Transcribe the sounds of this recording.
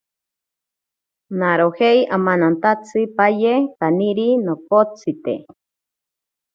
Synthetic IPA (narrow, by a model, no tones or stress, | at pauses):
naɾoheiʔamanant̪at͡sʰɨpajekaniɾinokot͡sʰit̪ḛ